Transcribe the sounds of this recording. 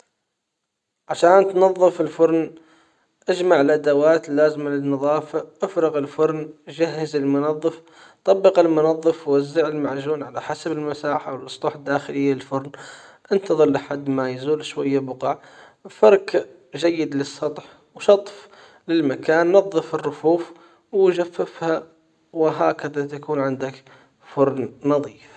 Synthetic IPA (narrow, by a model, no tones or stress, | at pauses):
ʕaʃaːnt̪nɑðˤːɨfɪlfʊɾˤn | ʔad͡ʒmaʕɪlʔad̪awaːt̪lːaːzmalɪnːɑðˤɑːfaʔɪfɾɪɣɪlfʊɾˤnd͡ʒahːɪzɪlmʊnɑðˤːɨf | t̪ˤɑbːɪqɪlmʊnɑðˤːɨfwɪzːɪʕɪlmaʕʒuːnʕalaħasabɪlmasaːħawɪlʔɨsˤt̪ˤuːħɪd̪ːaːxɪlɪjːaɪlfʊɾnʔɪnt̪ɑðˤɨlʔaħad̪ːmajzuːlʃwajːabʊqɑʕ | fɑɾˤk | ʒajːɪd̪lɪsˤːɑt̪ˤħ | wʃɑt̪ˤf | lɪlmakaːnːɑðˤːɨfɪrːʊfuːf | wʒafːɪfha | wɪɦaːkaðat̪akuːnʕɪnd̪ak | fʊɾˤnnɑðˤiːf